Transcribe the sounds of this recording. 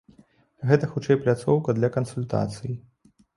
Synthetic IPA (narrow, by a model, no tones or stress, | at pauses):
ɣɛt̪ɐxut͡ʂɛjplʲat̪sɔwkɐd̪lʲɐkɐnsulʲt̪a̰t̪sɨji